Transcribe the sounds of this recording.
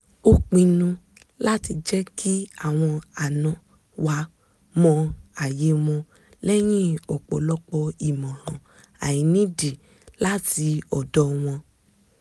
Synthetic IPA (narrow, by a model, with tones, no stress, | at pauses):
o˦k͡pĩ˧nũ˧ | la˦ti˧d͡ʒɛ˦kʰi˦a˦˨w̃ɔ̃˧a˨nã˨ | wa˧ | mɔ̃˧a˨je˨˦w̃ɔ̃˧ | lɛ˦j̃ĩ˦ɔ˨k͡pɔ̰˨lɔ˦k͡pɔ˧i˨mɔ̃˨lɔ̃˨ | a˨jĩ˨˦nĩ˦di˨ | la˦ti˧ɔ˨dɔ˦w̃ɔ̃˧